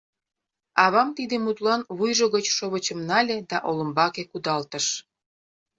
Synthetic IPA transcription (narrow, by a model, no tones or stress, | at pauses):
ɑβɑmt̪id̪emut̪lɑnβujʒoɣət͡ɕʃoβət͡ɕəmnɑlʲed̪ɑʔolə̆mbɑkekud̪ɑlt̪əʃ